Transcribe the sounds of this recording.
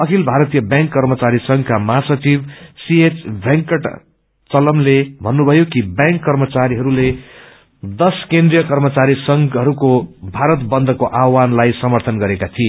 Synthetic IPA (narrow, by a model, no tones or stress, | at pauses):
ʌkʰilbʱaɾʌt̪ijʌbjãŋkːʌrmʌt͡saɾisʌŋkamasʌt͡sibsiet͡sbʱjaŋkʌʈ | t͡sʌlʌmlebʱʌnːubʱʌjokibjãŋkːʌrmʌt͡saɾiɦʌɾule | d̪ʌskẽnd̪rijʌkʌrmʌt͡saɾisʌŋɦʌɾukobʱaɾʌt̪bʌnd̪ʱʌkoʔawanlajsʌmʌrt̪ʰʌnɡʌɾekat̪ʰie